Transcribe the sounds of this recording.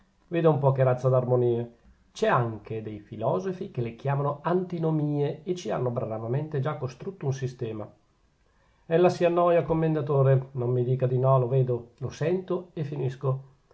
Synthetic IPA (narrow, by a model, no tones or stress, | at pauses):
veːd̪oumpɔːkeɾat̪sːad̪armoniːe | t͡ʃɛaŋked̪ejfilɔːzofikelek̟jaːmanoant̪inomiːeet͡ʃːia̰nːobɾaɾavament̪ed͡ʒakːost̪ɾut̪ːounsist̪ɛːma | ɛlːasianːɔːjakomːend̪at̪oːɾenomːid̪iːkad̪inɔloveːd̪olosɛnt̪oefinisko